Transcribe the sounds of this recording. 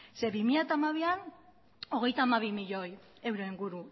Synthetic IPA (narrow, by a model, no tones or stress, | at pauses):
se̞βimiʎat̪amaβ̞ian | o̞ɣe̞jt̪aːmaβimiʎo̞j | e̞wɾoiŋɡuɾu